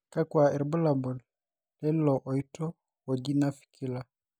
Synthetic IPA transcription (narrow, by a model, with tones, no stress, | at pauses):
ka˦kwa˨ɛ˨ɾbɔ˦la˨bɔ˨l | lɛ˦lɔ˨ʔɔ˨i˦tɔ˦ | wɔ˨d͡ʒi˦na˦fi̥˨kʰi˦la˦